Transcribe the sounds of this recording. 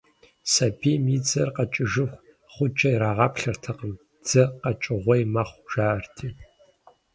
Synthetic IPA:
sɐbiːmiːd͡zɐrqɐt͡ʃʼɪʒɨxʷ | χʷʊd͡ʒʼɐjɾaːʁɑpɬɐrtʰɐqəm | d͡z̥ɐqɐt͡ʃʼɪʁʷɔjmɐχʷʒ̥aːrtʰiː

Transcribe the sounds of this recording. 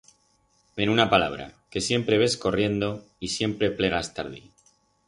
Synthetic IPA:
be̞nunapala̰βɾa̰ke̞sje̞mpɾe̞β̞e̞sko̞rje̞nd̪o̞ | isje̞mpɾe̞ple̞ɣ̞ast̪aɾðḭ

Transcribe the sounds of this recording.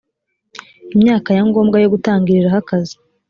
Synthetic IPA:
imɲaːkajaŋɡo̞ːmɡajo̞ɡutaːŋɡiɾiɾahakazi̥

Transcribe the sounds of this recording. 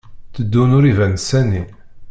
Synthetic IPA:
t͡sːəd̪ːunʊɾivænsæni

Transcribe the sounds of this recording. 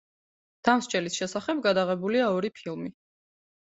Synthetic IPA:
d̪̥amst͡ʃʼɛlisʃɛsaχɛb̚ɡad̪aʁɛbuliaɔɾipʰilˠmi

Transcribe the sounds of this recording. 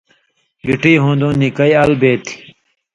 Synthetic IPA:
juʈiːɦũːnd̪ũːnikɐiɐlbeːt̪ʰi̥

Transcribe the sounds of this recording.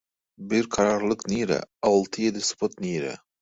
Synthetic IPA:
bɪɾkʰɑɾɑɾlˠɯqniːɾɛ̰ɑwlˠt̪ʰɨjed̪ɪspʰot̪niːɾɛ̰

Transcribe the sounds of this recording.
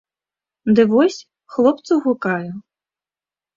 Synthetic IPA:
d̪ɨvɔsʲ | xlˠɔpt̪suɣukaju

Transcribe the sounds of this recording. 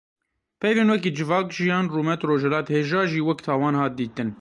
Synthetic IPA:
pʰɛjveːnwɛkiːd͡ʒɪvɑːkʒijɑːnruːmɛt̪roːʒɛlɑːt̪heːʒɑːʒiːwɛkt̪ʰɑːwɑːnhɑːt̪̚d̪iːt̪ɨn

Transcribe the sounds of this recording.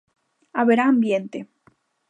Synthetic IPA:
aβeɾaːmbjent̪e

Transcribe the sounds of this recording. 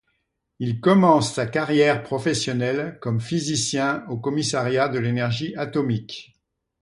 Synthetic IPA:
ilkɔmɑ̃sːakaʁjɛʁpχɔfɛsjɔnɛlkɔmfizisjɛ̃okɔmisaʁjad̪əlenɛʁʒiat̪ɔmik

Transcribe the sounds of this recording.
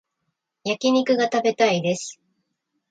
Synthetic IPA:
jakʲiɲ̟ikɯ̟ɡat̪abe̞t̪aid̪e̞sɨ̥

